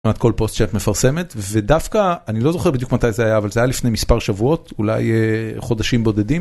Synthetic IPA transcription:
mat̪̚ko̞lpo̞st̪t͡ʃatmefaʁse̞met̪ve̞dafkaːnilo̞zo̞χebid̪jukmat̪ajzeajaːvalzeajalifnejmispaʁʃavuo̞tula̰jχo̞daʃimbo̞d̪e̞dim

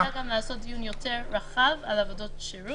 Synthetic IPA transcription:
aɡamleaso̞t̚d̪ijunjo̞te̞ʁːaχavalavodo̞tʃeʁu

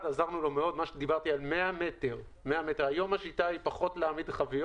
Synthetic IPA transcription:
dazaʁnulo̞meo̞d̪maʃed̪ibaʁt̪ialmeame̞t̪eʁ | meamet̪eʁajo̞maʃit̪aipaχo̞t̪leamid̪χavi

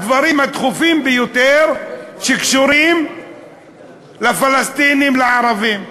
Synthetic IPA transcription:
d̪vaɾimhat̪χufimbejot̪eɾʃekʃuɾim | lefalast̪inimleʕaɾaviːm

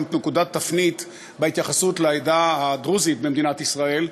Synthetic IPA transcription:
mtnekud̪at̪ːafnit̪ | behit̪jaχasut̪laajdahad̪ʁuzit̪̚bemd̪inat̪isʁae̞l

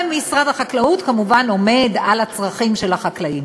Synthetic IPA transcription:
misʁadaχaklaut̪kamuvano̞me̞d̪alat͡sʁaχimʃe̞lhaχaklaim

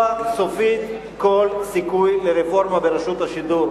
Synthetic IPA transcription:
aso̞fit̪ | ko̞lsikujleʁefo̞ʁmabeɾaʃut̪aʃid̪uɾ

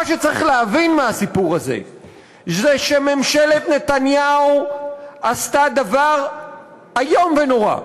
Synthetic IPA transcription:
aʃet͡saʁḭχleavinmaasipuʁazḛ | zeʃe̞me̞mʃele̞t̪ne̞t̪anjaoast̪ad̪avaʁ | ajo̞mveno̞ʁa̰

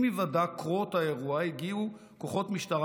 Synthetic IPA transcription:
mivadakʁot̪haeʁuahiɡiu | ko̞χo̞tmiʃtaʁ

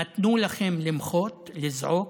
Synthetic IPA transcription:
at̪nulaχemlɪmχot̪lɪzʕo

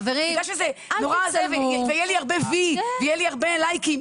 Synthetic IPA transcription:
veʁiɡɡaʃezenoʁazevevejɛliaʁbevivejɛliaʁbelajkim

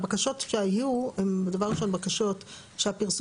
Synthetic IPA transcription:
bakaʃot̪ʃeajuembed̪avaʁiʃonbakaʃot̪ | ʃeapiʁs

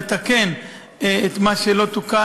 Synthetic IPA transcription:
t̪ake̞n | et̪maʃelo̞t̪uka

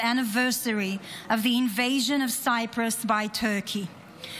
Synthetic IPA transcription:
ænəvɜˑsəɹiʌvðiɪ̃nveɪʒə̃nəv̥saɪpʰɹəsbaɪtʰɜːˑkʰi

